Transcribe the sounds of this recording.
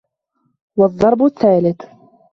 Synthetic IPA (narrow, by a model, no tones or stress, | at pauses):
wɑðˤːɑɾˤbʊθːaːlɪt̪